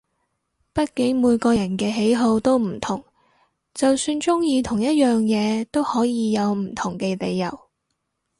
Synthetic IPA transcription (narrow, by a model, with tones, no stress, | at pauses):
pɐ˥t̚kɪ˨˥ŋmuː˨˧jkɔː˧jɐ˨˩nkɛː˧ɦe˨˥jɦo˧wt̪o˥wm̩˨˩t̪ʰʊ˨˩ŋ | t͡sɐ˨wsyː˧nt͡sʊ˥ŋjiː˧t̪ʰʊ˨˩ŋjɐ˥t̚jœː˨ŋjɛː˨˧t̪o˥whɔː˨˥jiː˨˧jɐ˨˧wm̩˨˩t̪ʰʊ˨˩ŋkɛː˧le˨˧jːɐ˨˩w